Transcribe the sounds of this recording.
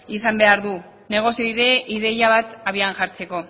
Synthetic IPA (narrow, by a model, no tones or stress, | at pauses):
isambe̞aɾðu | ne̞ɣ̞o̞sio̞iðe̞ʔiðe̞jaβat̪aβianʝaɾt͡se̞ko̞